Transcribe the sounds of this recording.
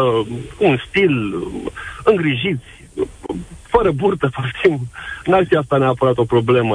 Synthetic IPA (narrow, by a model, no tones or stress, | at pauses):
kuːnst̪il | ɨŋɡɾiʒit̪sʲ | fəɾəburt̪əpart̪ʰimɨnalfias̬t̪aneapəɾat̪o̞pɾo̞ble̞mə